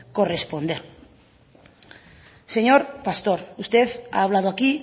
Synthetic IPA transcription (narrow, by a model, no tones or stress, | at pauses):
ko̞re̞spo̞nd̪eɾ | se̞ɲo̞ɾpast̪o̞ɾust̪eθa̰ːβlað̞oaki